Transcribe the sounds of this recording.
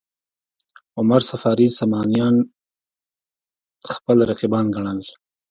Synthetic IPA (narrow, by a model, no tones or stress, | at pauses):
ʊmaɾsafɑːɾisamɑnijɑn | xpəlɾaqibɑnɡaɳ̃al